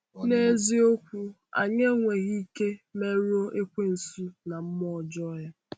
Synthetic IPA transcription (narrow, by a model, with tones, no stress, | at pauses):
ne˦˨˦zi˦o˦kʷu˦ | a̰˨ɲe˦ŋʷe˨ɣi˦ke˦me˦ɾu˦o˦ʔe˦kʷe˦n̩˨su˦na˨m̩˦mɔ˦˨d͡ʒɔ˦ja˦